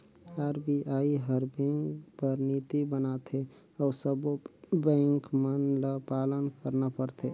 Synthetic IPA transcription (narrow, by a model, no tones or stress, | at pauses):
aɾbiʔaiɦəɾbɛ̃ŋkpəɾnit̪ibənat̪ʰe | ɔːɾsəbbɛ̃ːŋkmənləpaːlənkəɾnapəɾt̪ʰe